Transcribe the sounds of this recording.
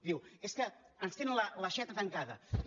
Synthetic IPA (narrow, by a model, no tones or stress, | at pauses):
d̪iweskə | ənst̪enənləlɐʃɛt̪ət̪əŋkaðə̰